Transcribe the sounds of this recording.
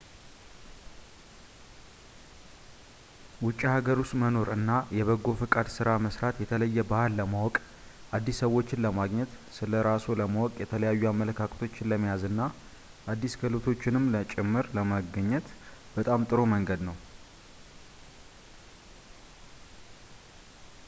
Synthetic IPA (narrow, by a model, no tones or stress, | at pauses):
wʊt͡ʃʼːihaɡəɾust̪məno̞ɾɨnːajɛβəɡːo̞fɨkʼad̪sɨɾaməsɾat̪jɛt̪ʰələjːɛbahlːəmawɔkʼ | ʔad̪ːisːəwːo̞t͡ʃːɪnləmaɡɲɛt̪ | sɨləɾasuləmawɔkʼjɛt̪ʰələjajːuamːələkʰakʰʼət̪ʰo̞t͡ʃːɪnləmːijazɨnːa | ʔad̪ːiskʰəlot̪ʰo̞t͡ʃːɪnɨmlət͡ʃʼɪmːɨɾləmaɡəɲːɛt̪b̥ət̪ʼamt̪ʼɨɾo̞məŋɡəd̪nəw